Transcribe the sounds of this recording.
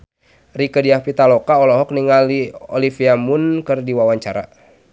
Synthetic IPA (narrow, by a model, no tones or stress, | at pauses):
rikədiapit̪alɔkaɔlɔɦɔk̚niŋaliɔ̰lifiamunkɨrdiwawaɲt͡ʃa̰ɾa̰